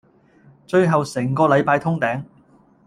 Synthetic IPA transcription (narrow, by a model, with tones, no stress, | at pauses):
t͡ʃɵ˧ɥɦɐ˨wsɛː˨˩ŋkɔː˧lɐ˨˧jpaː˧jt̪ʰʊ˥ŋt̪ɛː˨˥ŋ